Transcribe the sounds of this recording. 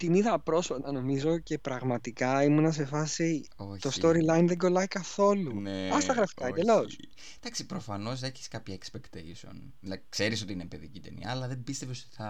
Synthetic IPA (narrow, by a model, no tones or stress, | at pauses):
t̪iniðɐpɾo̞sot̪ɐno̞mizo̞ce̞pɾɐɣmɐt̪ikɐimunɐs̬e̞fɐsiot̪o̞stt̪o̞ɾilɐjnðe̞ɡo̞lɐikɐθo̞lunɐst̪ɐɣɾɐft̪ɐid̪elos | d̪̥ɐksipɾofɐno̞s̬ðɐeçi̥skɐpçɐekspekt̪eiso̰n | lɐkse̞ɾiso̞t̪iinepeðicit̪enḭɐ̰ːlɐðembist̪e̞vesot̪i̥θɐ